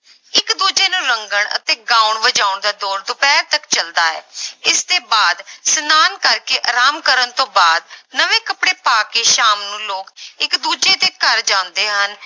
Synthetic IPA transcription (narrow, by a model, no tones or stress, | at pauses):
ɪkd̪uːd͡ʒeːnũːɾəŋɡəɳə̰t̪eːɡãːʊɳʋəd͡ʒaːʊɳd̪aːd̪ɔːɾd̪ʊpɛːɾt̪əkt͡ʃəld̪aːɛ̰ːɪst̪eːbaːd̪sənaːnkəɾkeːʔəɾaːmkəɾəɳt̪õːbaːd̪nəʋẽːkəpɽeːpaːkeːʃaːmnũːloːkɪkd̪uːd͡ʒeːd̪eːkəɾd͡ʒãːnd̪eːɦən